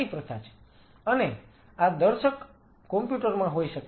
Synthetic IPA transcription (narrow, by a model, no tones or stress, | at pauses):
ipɾət̪ʰat͡ʃʰe̥ | əne | ad̪əɾʃəkː | ɔmpjuʈəɾmãɦoiʃək